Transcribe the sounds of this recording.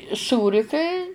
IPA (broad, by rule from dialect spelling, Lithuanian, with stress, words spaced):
ˈsuːrʲɪ kɐɪ